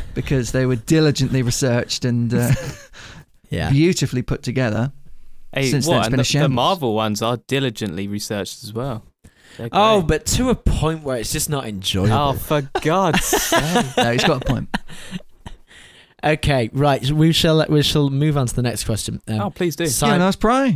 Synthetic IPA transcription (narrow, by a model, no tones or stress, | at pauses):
b̥ɨkʰʌzðeɪwə˞dɪlɪd͡ʒɨ̃nʔliɹɨsɜˑ˞t͡ʃtɨ̃nʌ | jæ̰bjʉɾɨflipʰʊtʰɨɡɛðə˞ʔeɪsɪ̃nsəsb̥ɨ̃nəʃɛ̃əmɑɹvl̩ˠwʌ̃nzəd̥ɪlɪd͡ʒɨ̃nʔliɹisɜˑ˞t͡ʃtəzwɛlˠ | ʔoʊbʌtʰəəpʰɔ̃ɪ̃nʔwə˞ɨtsd̥ʒ̥ʌsnəɾɪ̰̃nd͡ʒɔ̰ɪəoʊfəɡ̥ɑd̥ | oʊɨtsɡɒɾəpɔ̃ɪ̃nt̚ | ʔoʊkʰeɪɹaɪtwiʃəlˠwiʃəlˠmʉːṽntʰəðənɛkskʰw̥ɛst͡ʃə̃nʌ̃oʊpʰl̥iːzdʉsænospʰɹ̥aɪ